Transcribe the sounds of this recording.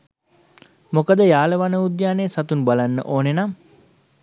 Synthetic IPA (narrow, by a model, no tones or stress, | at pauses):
mokəd̪əjaːləʋanəud̪jaːneːsat̪unbalanːə̰ʔoːnenam